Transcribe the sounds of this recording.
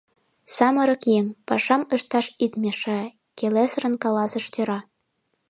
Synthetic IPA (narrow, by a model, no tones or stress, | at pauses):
sɑmɤ̆ɾɤ̆kjeŋpɑʃɑməʃt̪ɑʃit̪mʲeʃĕ | kelesə̆ɾə̆nkɑlɑsə̆ʃt̪ʲøɾɑ